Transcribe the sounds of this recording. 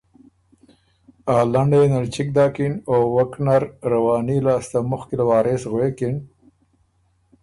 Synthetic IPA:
aːlaɳɖenalt͡ʃɪk̚d̪ɑːkinowaknaɾɾawɑːnilaːst̪amʊxkɪlawɑːɾesɣwekɪn

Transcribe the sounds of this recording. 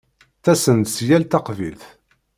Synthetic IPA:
θæsənt̪sjælt̪ɑqvḭlθ

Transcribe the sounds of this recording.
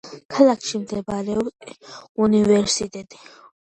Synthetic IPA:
kʰalakʰʃimd̪ɛbaɾɛɔbt̪univɛɾsit̪ʼɛt̪ʼi̥

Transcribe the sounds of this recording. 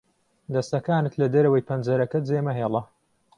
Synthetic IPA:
d̪ɐst̪ɐkaːnɨt̪lɐd̪ɐɾɐwɐjpʰɐnd͡zɐɾɐkɐd͡zeːmɐɦeːlˠɐ

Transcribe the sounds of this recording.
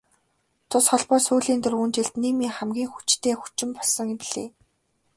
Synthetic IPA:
t̪ʰʊsχɔɮpɔːsuːɮiːnt̪ɵ̆runt͡ɕeɮt̪niːmiːŋχæmɡʲiːŋxu̥t͡ɕt̪ʰeːxu̥t͡ɕɪ̆mpɔɮsɞ̆ŋpiɮ̥ḛː

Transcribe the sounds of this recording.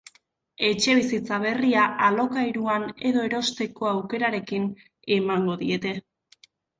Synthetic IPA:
e̞t͡ʃe̞β̞isit͡saβ̞e̞riaalo̞kajɾuane̞ðo̞e̞ɾo̞st̪e̞ko̞awke̞ɾaɾe̞kin | e̞maŋɡo̞ðie̞t̪e̞

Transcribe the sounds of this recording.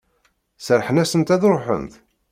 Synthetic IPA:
səɾˤħənæsənt̪æðɾˤoħə̰nθ

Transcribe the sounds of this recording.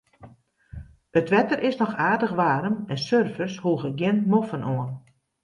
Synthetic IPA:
ətʋɛtərʔɪsnɔxaːrdəxʋaːɾəmɛnsørfəshuəɣəɡjɪnmofənʔɔən

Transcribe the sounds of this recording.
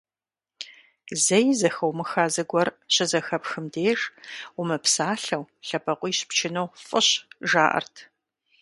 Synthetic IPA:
zɐjzɐxɐwmɨxaːzɨɡʷɔrɕʼɪzɐxɐpxɨmdeːʒʊmɨpsaːɬɐwɬɐpʰɐqʷʼiːɕpt͡ʃʰɪnɐwfʼəɕʒaːʔɐ̰rtʰ

